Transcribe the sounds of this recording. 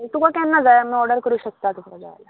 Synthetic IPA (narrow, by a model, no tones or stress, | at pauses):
et̪ukakanːad͡zajam̤ĩɔɽəɾkəɾuːɕək̚t̪at̪ukɾad͡za̰jla